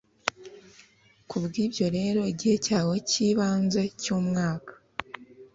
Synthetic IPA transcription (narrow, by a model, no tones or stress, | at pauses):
kubɡiːbjo̞ɾe̞ːɾo̞iɟihe̞caːwo̞ciβaːnze̞cuːmŋaːkḁ